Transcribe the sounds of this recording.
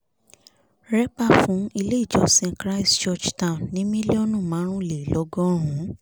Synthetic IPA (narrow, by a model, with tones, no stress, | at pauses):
ɾɛ˦k͡pa˦˨fũ˨˦i˧le˦i˦˨d͡ʒɔ˨˦sẽ˧kɾa˦i˦st͡ʃɔ˧˨d͡ʒtã˦˨ũ˨nnĩ˦mĩ˦le˦o˦nũ˦˨mãː˨˦ɾ̃ũ˦˨le˨lɔ˨˧˦ɡɔ̃˦ɦũ˨˦